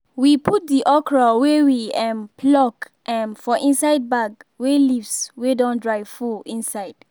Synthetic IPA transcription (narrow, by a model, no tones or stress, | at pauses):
wipʰut̚diʔɔkɹawewiɛ̃mpʰlɔk | ʔɛ̃nfɔʔĩnsajd̚baɡwelivswedɔ̃ndɹajfuĩnsajd̥